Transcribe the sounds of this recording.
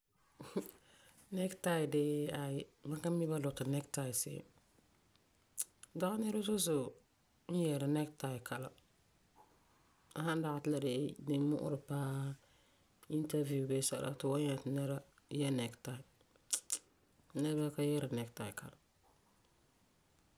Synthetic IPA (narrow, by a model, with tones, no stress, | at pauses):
nɛ˦kta˦ɪ˨de˦a˨jɪ˦mã˦ka˦mi˦ba˦lʊ˨ta˨nɛ˦kta˨ɪ˨sɪ̰˦˨ | da˦a˦nɛ˦ɾa˦zʊ˦sʊ˨ | n̩˦jɛ˨ɾa˨nɛ˦kta˨kʰa˨la̰˨ | a˨hã˦n˦da˨ɣa˨tɪ˦la˨de˨˦dɪ˦mʊ̰˦ʔʊ̰˦ɾɪ˨paː˦ | i˦nta˦vu˨be˦sa̰˨la̰˨tɪ˨wa˦ɲ˦a˨tɪ˨nɛ˦ɾa˦ | jɛ˦nɛ˨kta˨ɪ˨˦ | nɛ˦ba˦ka˦jɛ˦ɾa˨nɛ˨kta˨ɪ˨ka̰˨la˨